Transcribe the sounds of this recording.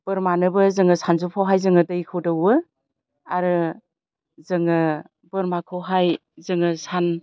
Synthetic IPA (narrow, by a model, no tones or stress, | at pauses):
b̥ɯɾmanɯbɯzɯŋɯsʰanzupʰawɦajzɯŋɯdɯjkʰɯwdɯwɯ | aɾɯ | zɯŋɯ | bɯɾmakʰɯwɦaj | zɯŋɯsan